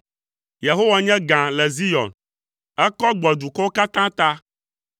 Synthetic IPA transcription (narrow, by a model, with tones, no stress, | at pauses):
je˨ɦo˦wa˦ɲɛ̃˦ɡã˨lɛ˨zi˦jɔ̰˨n | ɛ˦kɔ˦ɡ͡bɔ˨d̪u˨kɔ˦wo˦ka˦t̪ã˦t̪a˦